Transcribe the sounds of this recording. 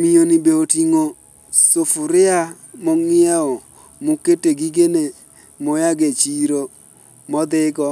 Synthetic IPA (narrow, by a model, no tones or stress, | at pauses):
mɪonɪbeotiŋo | sofʊɾɪa | mɔŋɪaɔ | muketeɡiɡene | mʊjaɡet͡ʃiɾo | mɔd̪ɪɡɔ